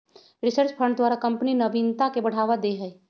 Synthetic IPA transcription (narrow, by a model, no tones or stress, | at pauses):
ɾɪsəɾt͡ʃpʰə̃ɳɖd̪waːɾakɐ̃mpninɐʋint̪akebɐɽ̤aːʋad̪eɦɛː